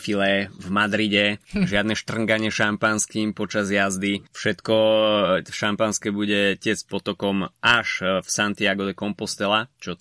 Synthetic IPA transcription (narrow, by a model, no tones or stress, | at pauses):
filɛvmad̪ɾiɟɛʒɪad̪nɛʃt̪r̩ŋɡaɲɪɛʃampanskiːmpɔt͡ʃazjazd̪ifʃɛt̪kɔ | ʃampanskɛbuɟɛcɪɛspɔt̪ɔkɔmʔaʃfsant̪iaɡɔd̪ɛkɔmpɔst̪ɛlat͡ʃɔ